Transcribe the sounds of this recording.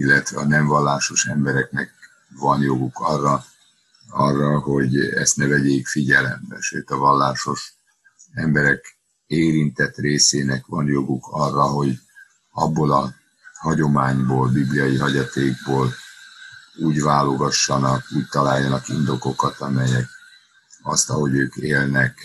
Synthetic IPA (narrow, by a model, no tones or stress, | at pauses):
ilːɛt̪ʋɛɒnɛɱvɒlːaːʃo̞ʃɛmbɛɾɛknɛk̚ | vɒnjo̞ɡukʰɒrːɒ | ɒrːɒɦo̞ɟɛ̰st̪nɛvɛɟeːkfiɟɛlɛ̰mbɛ̰ʃøːt̪ɒvɒlːaːʃo̞ʃ | ɛmbɛɾɛk | eːɾint̪ɛt̪reːseːnɛkʋɒnjo̞ɡukʰɒrːɒɦo̞ɟ | ɒbːolɒ | hɒɟo̞maːɲboːlbiblijɒjiɦɒɟɒt̪eːɡ̚boːl | uːɟvaːlo̞ɡɒʃːɒnɒkuːc̚t̪ɒlaːjːɒnɒkind̪o̞ko̞kɒt̪ɒmɛjɛk̚ | ɒ̰st̪ɒɦo̞ɟøːkeːlnɛk